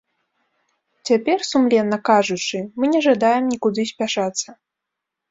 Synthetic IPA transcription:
t͡sʲapʲɛrsumlʲɛnːɐkaʐut͡ʂɨmɨnʲɛʐad̪ajɛmnʲikud̪ɨsʲpʲaʂat̪sːɐ

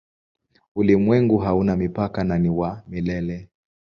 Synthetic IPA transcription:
ulimwɛŋɡuɦaunamipakananiwamilɛlɛ

